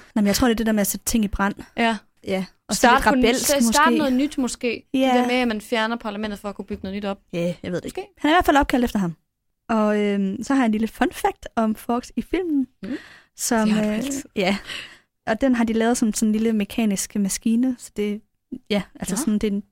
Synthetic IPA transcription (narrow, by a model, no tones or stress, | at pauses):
nɑmjɪt͡sʰo̝ɐde̝d̥e̝deɐmeæsed̥̚t͡sʰe̝ŋ̰ib̥ʁɑn̰ | jæ | ɒsed̥ʁɑ̈bel̰mɔsɑ̥ːe̝̰ːnɔːð̩ˠnyd̥mɔsɡ̥e̝̰ːjæeɐmeæmænfjæɐnɐpʰɑ̈læmend̥ð̩ˠfɒ̽ækʰub̥yɡ̥ənɔð̩ˠnyd̥ɒ̽b̥̚jæjɑe̝ðˠd̥eɡhænæɐiʋæɐfælɒ̽b̚kʰæld̥efd̥ɐɦɑ̈m | ɒ̽ømsɒhɑjɑenliləfɒnfæɡ̥̚d̥ɒ̽mfɒːɡ̥sifil̰mn̩ | sɒ̽mjæ | ʔɒ̽d̥enɦɑ̈d̥ilɛːð̞̩ˠsɒ̽nsɒn̩liləme̝kʰɛ̰ːnisɡ̥əmæsɡ̥iːnəsɒ̽d̥e̝ | jæʔælsəsɒnd̥e̝